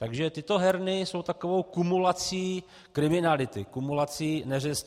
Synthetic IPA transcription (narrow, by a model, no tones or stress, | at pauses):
t̪aɡʒɛt̪ɪt̪o̞ɦɛɾnɪso̞wt̪akovo̞wkumulat͡siː | kɾɪmɪnalɪt̪ɪkumulat͡siːnɛrɛs